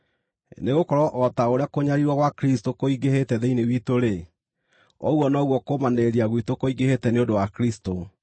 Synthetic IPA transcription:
neɣokɔɾɔʔɔtaoɾeakoɲaɾiɾwaɣwakɾistokoiɡehetɛðeinewitoɾe | ɔ̰ɣwɔnɔɣwɔkomaneɾiaɣwitokoiɡehetɛneodowakɾisto

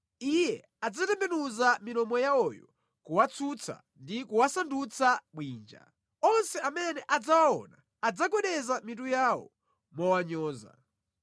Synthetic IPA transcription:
ijɛ | ad͡zatɛmbɛnuzaminɔmɔjaɔjɔ | kuwat͡sʰut͡sʰa̰ | ndikuwasandut͡sʰaɓwiːnd͡ʒa̰ | ɔnsɛamɛnɛʔad͡zawaɔ̰naːd͡zakɛɗɛzamit̬ujaːwɔ̰ | mɔwaɲɔːza̰

